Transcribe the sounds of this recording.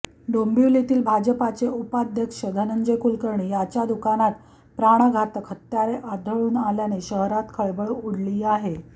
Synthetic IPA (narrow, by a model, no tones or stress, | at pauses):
ɖombiʋlit̪iːlbʱad͡ʑəpat͡seupad̪ʱjəkʂəd̪ʱənənd͡zəjkulkəɾɳijat͡ɕjad̪ukanat̪ | pɾaɽ̃aɡʱat̪əkʰɦət̪jaɾeʔad̪ʱəɭuːnaljaneɕəɦɾat̪kʰəɭbəɭuɽliːaɦe